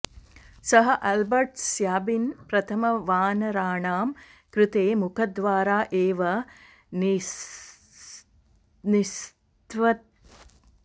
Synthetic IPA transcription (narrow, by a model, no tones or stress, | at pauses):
sɐɦɐʔɐlbɐɾʈsjaːbinpɾɐt̪ʰɐmɐʋaːnɐɾaːɳaːm | kɾɪt̪eːmukʰɐd̪ʋaːɾaːʔeːʋɐ | n | nis | t̪ʋɐt̪